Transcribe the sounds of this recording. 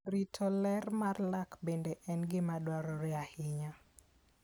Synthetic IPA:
ɾitʰɔlɛrmarlakbendeʔɛnɡɪmadwaɾɔɾɛahɪɲa

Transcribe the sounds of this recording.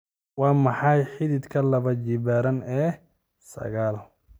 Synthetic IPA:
wɑːmɑħɑjħɪðɪd̪kʰɐlɐβɐd͡ʒɪβaːɾɐnɛː | sɐ̰ɣaːl

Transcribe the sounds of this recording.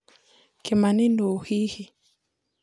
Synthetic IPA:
kimaninohihi

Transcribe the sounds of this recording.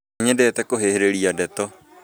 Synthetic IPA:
ɲɛdɛːtɛkoɦeheɾeɾiadɛt̪ɔ

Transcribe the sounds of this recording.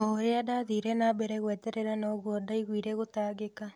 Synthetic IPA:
oɾeadaðiɾɛnabɛɾɛɣwɛtɛɾɛɾanɔɣwɔdaiɣwiːɾɛɣotaːɣeka

